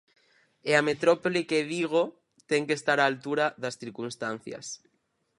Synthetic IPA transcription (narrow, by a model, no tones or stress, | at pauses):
eamet̪ɾopolikeðiɣ̞o | t̪eŋkest̪aɾaːlt̪uɾaðasθiɾkunst̪an̟θja̰s